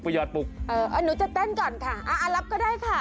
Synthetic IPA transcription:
pu˧jɔː˧˩t̪̚pʊ˨˩k̚ʔəː˧˩ʔəː˨˧˩nu˨˦t͡ɕa˨˩t̪ɛː˥˩nkɔː˨˩nkʰaː˥˩ʔaː˨˧˩ʔaː˨˧˩la˦˥p̚kɔː˥˩daː˥˩jkʰaː˥˩

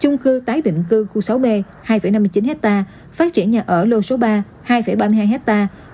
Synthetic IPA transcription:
t͡ɕʊ˧ŋ͡mkɨ˧t̪aː˨˦jɗḭ̈˧˨ŋ̟kɨ˧xu˧sa˨˦wɓe˧ | haː˧jfə˧˩jna˧mɨ˧jt͡ɕi˨˦nhɛ˦˥k̚t̪aː˧ | fa˦˥t̚t͡ɕi˧˩ənɲaː˨˩ʔəː˧˩lo˧˩so˨˦ɓaː˧ | haː˧jfə˧˩jɓaː˧mɨ˧ɦaː˧jɦɛ˦˥t̚t̪aː˧

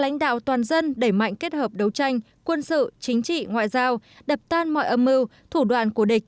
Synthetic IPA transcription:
la̰˧˥jŋ̟ɗa̰ː˧˨wt̪waː˨˩nzə˧nɗe˧˩jma̰˧˨jŋke˦˥t̚həː˨˩p̚ɗə˨˦wt͡ɕa˧jŋ̟ | kwə˧nsɨ̰˧˨t͡ɕï˨˦ŋ̟t͡ɕḭ˧˨ŋwa̰ː˧˨jzaː˧w | ɗə˨˩p̚t̪aː˧nmɔ̰˧˨jʔə˧mːɨ˧wt̪ʰu˧˩ɗwa̰ː˧˨nku˧˩əɗï˨˩k̟̚

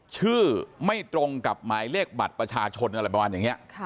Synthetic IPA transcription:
t͡ɕʰɯː˥˩ma˥˩jt̪ɾo˧ŋka˨˩p̚maː˩˦jle˥˩k̚ba̰˨˩t̪̚pɾa˧t͡ɕʰaː˧t͡ɕʰo˧nʔa˧ɾa˧jba˧waː˧njaː˨˩ŋi˦˥ɐʔʰ

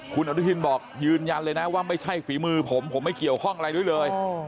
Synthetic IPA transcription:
kʰu˧nʔa˧ɾt̪ʰi˧nbɔː˨˩k̚jɯː˧nja˧nlɤː˧jna˦˥waː˥˩ma˥˩jt͡ɕʰa˥˩jfiː˩˦mɯː˧pʰo˩˦mpʰo˨˩˦mːa˥˩jki˨˩əwkʰɔ˥˩ŋʔa˧ɾa˧jdu˥˩jlɤː˧j

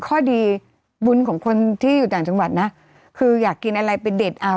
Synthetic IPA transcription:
kʰɔː˥˩diː˧ | bu˧nkʰɔː˩˦ŋkʰo˧nt̪ʰiː˥˩juː˨˩t̪aː˨˩ŋt͡ɕa˧ŋwa˨˩t̪̚na˦˥ʔ | kʰɯː˧jaː˨˩kːi˧nʔa˧ɾa˧jpe˧nde˨˩t̪̚ʔa˧

